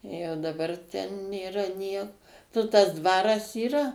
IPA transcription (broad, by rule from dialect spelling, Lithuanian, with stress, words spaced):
jɛʊ dɐˈbɐr tʲɛn nʲeːˈrɐ nʲiɛk nʊ tɐs ˈdʋɑːrɐs iːˈrɐ